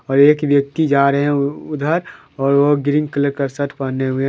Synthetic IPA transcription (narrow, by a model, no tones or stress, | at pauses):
ɔːɾeːkʋjək̚t̪id͡ʒaːɾəɦɛ̃ʊd̪ʱəɾ | ɔːɾʋoɡɪɾɪ̃ŋɡkələɾkəɾsət̪pəneɦʊe